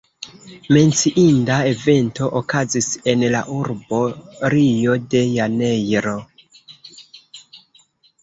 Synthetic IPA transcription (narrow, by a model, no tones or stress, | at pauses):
me̞nt͡siʔindae̞ve̞nto̞ʔokazise̞nlaʔuɾbo̞ɾijo̞de̞jane̞jɾo̞